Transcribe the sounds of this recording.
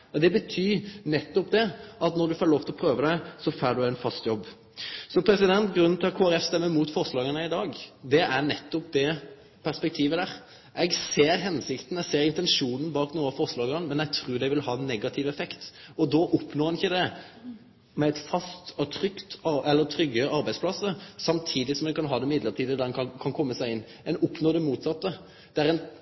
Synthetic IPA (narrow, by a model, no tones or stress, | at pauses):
ɔd̪ɛbət̪ʰyːnɛt̪ːɔpd̪ɛɑt̪nɔɾd̪ʉfoːɾloːʋt̪ɪlɔpʰɾøːʋəd̪æɪsɔfæːɖ̪ʉæɪnfɑst̪jɔbː | sɔpʰɾɛsɪd̪ɛnt̪ɡɾʉnːn̩t̪ɪlɑt̪kʰoːæɾɛfst̪ɛmːəmuːt̪fɔɾslɑːɡənəɪd̪ɑːɡd̪ɛʔæʁnɛt̪ːʊp̚d̪ɛ | pʰæɾspɛk̚t̪ʰiːʋəd̪æːʁ | ʔɛɡseːɾɦɛnsɪkt̪n̩ɛɡseːɾɪnt̪ɛnʂuːnn̩bɑːknuːɑfɔɾslɑːɡɑnmɛnɛɡt̪ʰɾʉːɾd̪ɛɪʋɪlhɑːɛnːɛɡɑt̪ʰɪʋɛfɛkt̪ɔd̪ɔʔʊpnoːɾɛnɪçːəd̪ɛ | mɛɛt̪fɑst̪ɑt̪ʰɾʏkt̪ɑɛlːət̪ʰɾʏɡːəɑɾbæɪspʰlɑsəsɑmt̪ʰiːd̪ɪsɔmd̪ɛnkʰɑnɦɑːd̪ɛmɪd̪ləɾt̪iːd̪əd̪æd̪ɛnɑkʰɑnkʰɔmːəsæɪɪnː | ɛnʊpnoːd̪ɛmuːt̪sɑt̪ːə | d̪̥ɛæɾɛn